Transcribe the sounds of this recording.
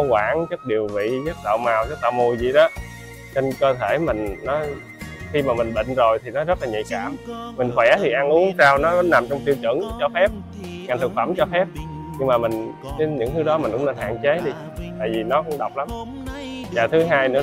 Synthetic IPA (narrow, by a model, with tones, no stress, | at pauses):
kwaː˧˩nt͡ɕə˦˥k̚ɗi˨˩əwvḭ˧˨zə˦˥k̚t̪a̰˧˨wmaː˨˩wzə˦˥k̚t̪a̰ː˧˨wmo˧˩jzḭ˧˨ɗɔ˨˦ | t͡ɕə˧nkəː˧t̪ʰe˧˩mï˨˩ŋ̟nɔ˨˦ | xi˧maː˨˩mï˨˩nɓḭ˧˨ŋ̟zo˨˩jt̪ʰi˨˩nɔ˨˦zə˦˥t̚la˨˩ɲḭ˧˨kaː˧˩mmi˨˩ŋ̟xwɛ˧˩t̪ʰi˨˩ʔa˧nʔu˨˦əŋsaː˧wnɔ˨˦kɔ˨˦na˨˩mt͡ɕɔ˧wŋ͡mt̪i˧wt͡ɕɨ̰˧˩ŋt͡ɕɔ˧fɛ˦˥p̚ | ŋa˨˩jt̪ʰɨ˨˩k̚fə˧˩mt͡ɕɔ˧fɛ˦˥p̚ | ɲɨ˧ŋmaː˨˩mï˨˩ŋ̟ | t͡ɕe˨˦ɲɨ̰˧˥ŋt̪ʰɨ˨˦ɗɔ˨˦mï̟˨˩kʊ̰˧˥˦ŋ͡mne˧nɦa̰ː˧˨ŋt͡ɕe˨˦ɗi˧ | t̪a̰ː˧˨jvi˨˩nɔ˨˦kʊ̰˧˥ŋ͡mɗa˨˩wk͡p̚la˨˦m | zaː˨˩t̪ʰɨ˨˦ɦaː˧jnɨ̰˧˥ə